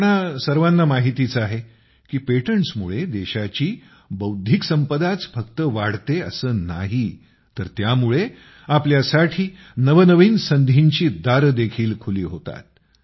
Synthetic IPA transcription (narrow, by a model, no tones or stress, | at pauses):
ɳasəɾʋanːamaɦit̪it͡saɦe | kiːpeʈəɳsmuɭed̪eɕat͡ɕiː | bəwd̪ʱiksəmpəd̪at͡sfʰəkt̪əʋaɽt̪eə̰səːna̰ɦi | t̪əɾt̪jamuɭe | apljasaʈʰiː | nəʋənəʋiːnsənd̪ʱiɲt͡ɕiːd̪aɾd̪ekʰiːlkʰuliːɦot̪a̰t̪̚